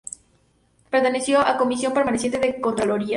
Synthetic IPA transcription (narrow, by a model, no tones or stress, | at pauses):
peɾt̪ene̞sjoʔako̞misjo̞mpeɾmanesjent̪eðekont̪ɾoloɾia